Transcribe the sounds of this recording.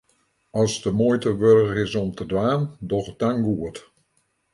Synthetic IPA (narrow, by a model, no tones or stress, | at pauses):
ɑsdəmoːjtəʋørəɪsɔmtədʋaːndɔχədaŋɡuət